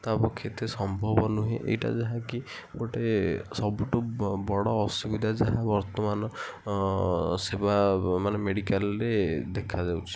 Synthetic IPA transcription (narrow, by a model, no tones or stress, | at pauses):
t̪apɔkʰːjɔt̪esɔmbʱɔbɔnuɦeʔḛjʈa̰d͡ʒaɦãki | ɡoʈesɔbuʈubɔɽɔːsubid̪ʱad͡ʒaɦabɔɾt̪ɔmanɔ | sebamanemeɽikalɾed̪ekʰad͡ʒawt͡ʃʰi̥